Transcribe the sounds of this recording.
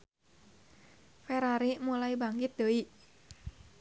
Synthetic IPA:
fɛɾaɾimulaibaŋɡɪt̪̚dəiʔ

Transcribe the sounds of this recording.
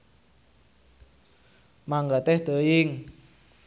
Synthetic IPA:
maŋɡat̪ɛhd̪̥əɪŋ

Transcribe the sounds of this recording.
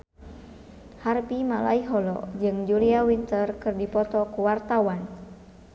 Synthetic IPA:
harpimala̰iɦɔlɔ̰d͡ʒɨŋd͡ʒuliawint̪ərkɨrdipɔt̪ɔkuwart̪awan

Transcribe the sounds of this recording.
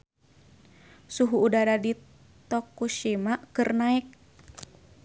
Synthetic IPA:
suɦuːdaɾadi | t̪ɔkuʃimakɨrnaɛk̚

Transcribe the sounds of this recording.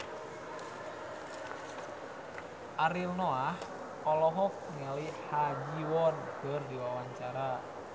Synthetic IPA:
ʔaɾilnɔlah | ɔlɔɦɔk̚nelihad͡ʒiwɔnb̥ə̤rd̪iwawaɲt͡ʃaɾa

